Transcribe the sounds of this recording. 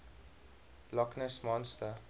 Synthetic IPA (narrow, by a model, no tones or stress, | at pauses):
lɔknəsmɔ̃nstə